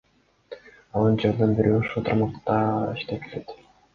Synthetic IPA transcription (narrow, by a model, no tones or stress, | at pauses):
ond͡ʒeɾd̪ɯnbiɾyoʃulˠt̪ʰɑɾmɑqt̪ɑḭʃt̪ekelet̪